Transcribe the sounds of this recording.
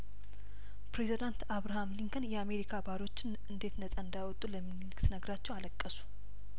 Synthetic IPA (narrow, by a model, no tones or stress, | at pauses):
pɾe̞zid̪ant̪aβɾahamliŋkʰənjɛame̞ɾikʰabaɾo̞t͡ʃːɪn | ɨnd̪e̞t̪nəsʼaɨnd̪ajwɔt̪ʼːuləmːinlɨksnəɡɾat͡ʃːɛwaləkʼːəsu̥